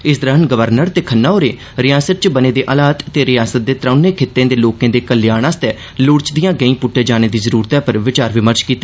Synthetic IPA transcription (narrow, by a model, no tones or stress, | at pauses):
ɪsd̪əɾənɡəʋəɾnəɾt̪eːkʰənːaːɦoːɾḛː | ɾɪjaːsət̪̚t͡ʃbəneːd̪eːʔəlaːt̪t̪eːɾɪjaːsət̪̚d̪eːt̪ɾə̃ːneːkʰet̪ːẽːd̪eːloːkẽːd̪eːkəlɪjaːɽ̃ãːst̪ɛː | lʊɽt͡ʃd̪ɪjãːɡəĩːpʊʈːeːd͡ʒaːñeːd̪iːzəɾuːɾt̪ɛːpəɾʋɪt͡ʃaːɾʋɪməɾt͡ʃkiːt̪ːaɛː